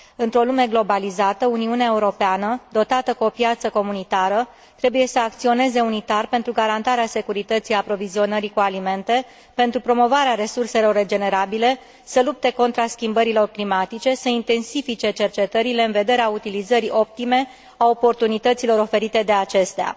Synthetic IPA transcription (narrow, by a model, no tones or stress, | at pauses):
ɨnt̪ɾo̞lume̞ɡlo̞balizat̪əuniuneae̞uɾo̞peanəd̪o̞t̪at̪əkuopjat̪səko̞munit̪aɾə | t̪ɾe̞buje̞səakt̪sio̞ne̞ze̞unit̪arpent̪ɾuɡaɾant̪aɾease̞kuɾit̪ət̪sijapɾo̞vizio̞nəɾikualime̞nt̪e̞ | pe̞nt̪ɾupɾo̞mo̞vaɾeaɾe̞surse̞lo̞rːe̞d͡ʒe̞ne̞ɾabile̞ | səlup̚t̪e̞ko̞nt̪ɾaskʲimbəɾilo̞rklimat̪it͡ʃe̞səint̪e̞nsifit͡ʃe̞t͡ʃe̞rt͡ʃe̞t̪əɾile̞ɨnve̞d̪e̞ɾeaut̪ilizəɾiʔo̞p̚t̪ime̞ | ao̞po̞rt̪unit̪ət̪silo̞ɾo̞fe̞ɾit̪e̞d̪e̞at͡ʃe̞st̪ea̰